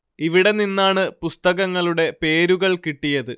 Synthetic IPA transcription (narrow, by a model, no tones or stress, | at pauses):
iʋiɽe̞ninːaːɳɨpust̪ɐɣɐŋːɐɭuɽe̞pe̞ːɾuɣɐɭkiʈːijɐðɨ